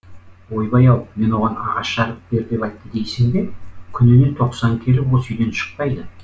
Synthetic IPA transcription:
wo̞jbɑjɑwme̞nwo̞ʁɑnɑ̰ʁɑʃʃɑɾəp̚be̞ɾd̪e̞pɑjt̪ːəd̪e̞jsɪŋd̪e̞kʲʰʏnɪne̞t̪ʰo̞qsɑŋkʲʰe̞lɪwolˠsʏjd̪e̞nʃə̥q̚pɑjd̪ə

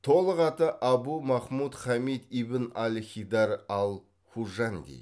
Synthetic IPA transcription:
t̪ʰo̞lˠəqɑt̪əʔɑbumɑχmut̪χɑmit̪ibɪnalʲχʲijd̪ɑɾɑlˠ | χuʒand̪ḭj

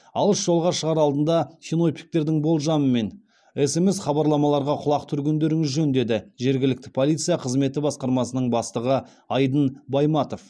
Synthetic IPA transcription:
ɑlˠəsʒ̥o̞lˠʁɑʃəʁɑɾɑlˠd̪ənd̪ɑsʲino̞pʰʲi̥k̚t̪e̞ɾd̪ɪŋbo̞lˠʒɑməme̞n | e̞se̞mesχɑbɑɾlˠɑmɑlˠɑɾʁɑqʰʊlˠɑqt̪ʰʏɾɡʲend̪e̞ɾɪŋɪzʒɵnd̪e̞d̪ɪʒe̞ɾɡʲɪlɪk̚t̪ɪ̥pʰolʲijt̪sɨjɑqʰəzme̞t̪ɪbɑsqɑɾmɑsənəɴbɑst̪əʁə | ɑjd̪ənbɑjmɑt̪o̞f

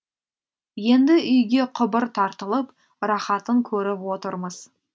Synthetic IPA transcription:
je̞nd̪ɪʔʏjɡʲe̞qʰʊbəɾt̪ʰɑɾt̪əlˠəp | ɾɑχɑt̪əŋkʲʰɵɾɪpwo̞t̪əɾməz̥

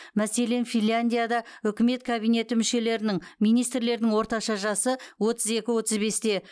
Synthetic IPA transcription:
mæse̞le̞nfʲinlʲːanʲd̪ʲijad̪ɑʏkʲɪme̞t̪̚kʰabijne̞t̪ɪmʏʃe̞le̞ɾɪnɪŋmijnijst̪ɾle̞ɾd̪nɪŋwo̞ɾt̪ɑʃɑʒɑsəwo̞t̪əze̞kʲɪwo̞t̪əzbe̞st̪e̞

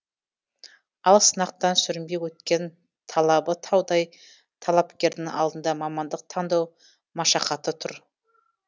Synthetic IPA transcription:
ɑlˠsənɑq̚t̪ɑnsʏɾɪmbe̞wɵt̪kʲe̞n | t̪ʰɑlˠɑbət̪ʰɑwd̪ɑj | t̪ʰɑlˠɑpkʲe̞ɾd̪ɪŋɑ̰lˠd̪ənd̪ɑmɑmɑnd̪əq̚t̪ʰɑnd̪ɑw | mɑʃɑqɑt̪ət̪ʰʊɾ

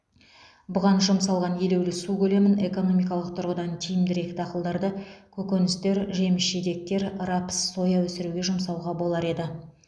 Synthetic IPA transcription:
bʊʁɑnʒʊmsɑlˠʁɑnje̞le̞wlɪsukʲʰɵle̞mɪne̞ko̞no̞mijkɑlˠəq̚t̪ʰʊɾʁəd̪ɑnt̪ʰijɪmd̪ɪɾe̞kʲɪt̪ʰɑqəlˠd̪ɑɾd̪əkʲʰɵkʲenɪst̪e̞ɾʒe̞mɪʃʒed̪e̞k̚t̪e̞ɾɾɑpə̥sːo̞jɑwɵsɪɾuɡʲe̞ʒʊmsɑwʁɑbo̞lˠɑɾe̞d̪ɪ

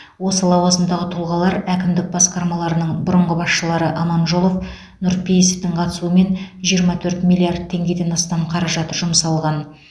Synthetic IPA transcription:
wo̞səlˠɑwɑzənd̪ɑʁət̪ʰʊlˠʁɑlˠɑɾækʲɪmd̪ɪk̚bɑsqɑɾmɑlˠɑɾənəɴbʊɾəɴʁəbɑsʃəlˠɑɾəʔɑmɑnʒolˠo̞f | nʊɾpʰejeseft̪ɪŋqʰɑt̪əsuəme̞nʒijəɾmɑt̪ʰɵɾt̪mʲilʲːˠiard̪̚t̪ʰːe̞ŋɡʲe̞d̪e̞nɑst̪ɑmqʰɑɾɑʒɑt̪əʒʊmsɑlˠʁɑn

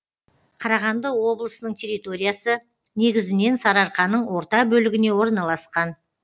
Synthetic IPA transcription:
qʰɑɾɑʁɑnd̪əwo̞blˠəsənəɴt̪ʲʰe̞ɾijt̪o̞ɾʲijasə | ne̞ɡʲɪzɪne̞nsɑɾɑɾqɑnəɴwo̞ɾt̪ɑbɵlɪɡʲɪne̞wo̞ɾnɑlˠɑsqɑn

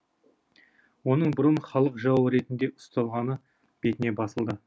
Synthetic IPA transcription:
wo̞nəɴbʊɾənχɑlˠəqʒɑwəɾe̞t̪ɪnd̪e̞ʔʊ̥st̪ɑlˠʁɑnə | b̥e̞t̪ɪne̞bɑsəlˠd̪ə

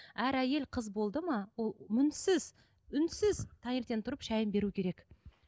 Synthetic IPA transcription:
æɾæje̞lqʰəzbo̞lˠd̪əmɑwolˠmʏnsɪz | ʏnsɪzt̪ʰɑŋeɾt̪ent̪ʊɾəpʃæjəmbe̞ɾukʲʰe̞ɾe̞k

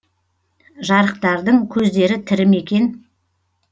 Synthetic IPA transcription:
ʒɑɾəq̚t̪ɑɾd̪əɴkʲʰɵzd̪e̞ɾɪt̪ʰɪɾɪme̞kʲe̞n

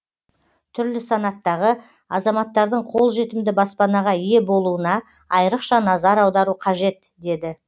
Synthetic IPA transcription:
t̪ʰʏɾlɪsɑnɑt̪ːɑʁə | ɑzɑmɑt̪ːɑɾd̪əɴqʰolˠʒe̞t̪ɪmd̪ɪbɑspɑnɑʁɑije̞bo̞lˠuənɑ | ɑjɾəqʃɑnɑzɑɾɑwd̪ɑɾuqʰɑʒe̞t̪ | d̪e̞d̪ɪ

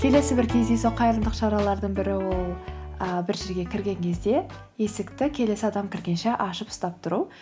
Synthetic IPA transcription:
kʲʰe̞le̞sɪbɪɾkʲʰe̞zd̪e̞soqʰɑjɾənd̪əqʃɑɾɑlˠɑɾd̪əɴbɪɾɪwo̞lˠəbɪɾʒe̞ɾɡʲe̞kʲʰɪɾɡʲe̞ŋkʲʰe̞zd̪e̞ | je̞sɪkt̪ɪkʲʰe̞le̞sɪɑd̪ɑmkʲʰɪɾɡʲe̞nʃe̞ʔɑʃəpʊ̥st̪ɑp̚t̪ʰʊɾu

